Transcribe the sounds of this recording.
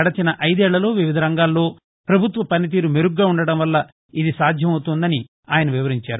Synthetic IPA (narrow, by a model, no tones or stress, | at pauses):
ɐɽɐt͡ʃinɐʔɐjd̪ɛːɭːɐlo̞ːʋiʋid̪ʱɐɾɐŋɡaːlːo̞ː | pɾɐbʱut̪ʋɐpɐnit̪̬iːɾumeɾuɡːaːuɳɖɐɽɐmʋɐlːɐ | id̪isaːd̪ʱjɐmɐwut̪und̪ɐni | aːjɐnɐʋiʋɐɾiɲt͡ʃaːɾu